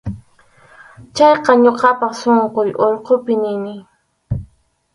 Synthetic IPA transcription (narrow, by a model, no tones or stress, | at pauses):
t͡ʃɑjqɑɲoqɑpɑχsoɴqojʔoʎqopɪnɪnɪ